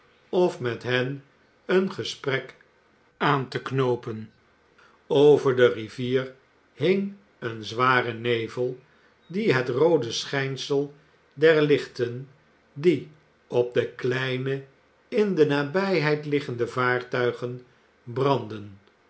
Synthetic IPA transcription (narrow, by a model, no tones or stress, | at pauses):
ɔfmɛtɦɛn | ənχəsprɛk | aːntəknowpən | owvəɹdəriviːr | hɪŋ | ənzʋaːrənejvəlˠ | diɦətrowdəsχɛjnsəlˠ | dɛɹlɪχtən | di | ɔb̚dəklɛjnə | ɪndənaːbɛjɦɛjtlɪχəndəvaːɹtœɥχən | brɑndən